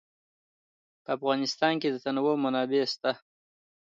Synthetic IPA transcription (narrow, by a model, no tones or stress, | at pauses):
pəafɣɑnɪst̪ɑnked̪ət̪anwomanɑbest̪a